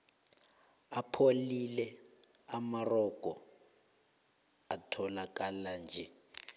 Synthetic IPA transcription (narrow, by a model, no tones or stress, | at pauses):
apʰolilɛ | amarɔkʼɔ | atʰɔlakʼaland͡ʒʱɛ